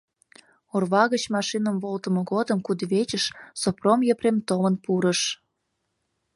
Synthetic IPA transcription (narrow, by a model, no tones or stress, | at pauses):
orβɑɣət͡ɕmɑʃinəmβolt̪ə̆mŏɣod̪əmkud̪βet͡ɕəʃsopromjəpremt̪omənpuɾəʃ